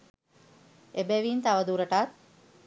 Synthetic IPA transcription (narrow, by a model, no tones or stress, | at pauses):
ebɛʋiːnt̪aʋəd̪uːɾəʈat̪̚